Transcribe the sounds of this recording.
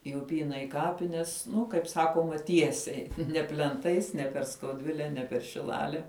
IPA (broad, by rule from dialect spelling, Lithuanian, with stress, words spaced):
ɪ ʊˈpʲiːnɐ ɪ ˈkɑːpʲɪnʲɛs ˈnʊ kɐɪp ˈsɑːkoːmɐ ˈtʲiɛsʲɛɪ nʲɛ pʲlʲɛnˈtɐɪs nʲɛ pʲɛr skɐʊˈdʲʋʲɪlʲɛ nʲɛ pʲɛr ʃʲɪˈlˠɑːlʲɛ